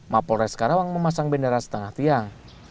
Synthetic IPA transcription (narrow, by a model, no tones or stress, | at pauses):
mapɔlɾɛskaɾawaŋməmasaŋbəndaɾasə̥t̪əŋaht̪iaŋ